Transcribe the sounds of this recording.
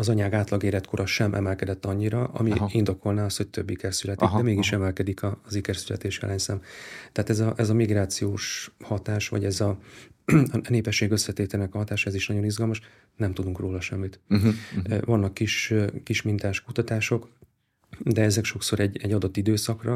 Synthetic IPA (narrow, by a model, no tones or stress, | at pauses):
ɒzɒɲaːɡaːt̪lɒɡeːɾɛt̪kʰo̞ɾʔɒʃɛmʔɛ̰mɛlkɛd̪ɛt̪ːɒɲːiɾɒɒ̰miind̪o̞kʰo̞lnaːɒst̪ho̞c̚t̪øbːikɛrsylɛt̪ikd̪ɛmeːɡiʃɛmɛlkɛd̪ikʰɒːzikɛrsylɛ̰t̪eːʃjɛ̰lʔɛɲsaːmt̪ɛaːt̪ɛzɒʔɛzɒmiɡɾaːt̪sijoːʃhɒt̪aːʃʋɒ̰ɟɛzɒ | neːpɛʃːeːɡø̞sːɛt̪eːt̪ɛlnɛkɒɦɒt̪aːʃɒɛziʃnɒɟo̞nizɡɒlmɒʃ | nɛmt̪ud̪uŋkroːlɒʃɛmːit̪ | vɒnːɒkːiʃkiʃmint̪aːʃkut̪ɒt̪aːʃo̞k | d̪ɛɛzɛkʃo̞kso̞ɾɛɟːɛɟːɒd̪o̞t̪ːid̪øːsɒkrɒ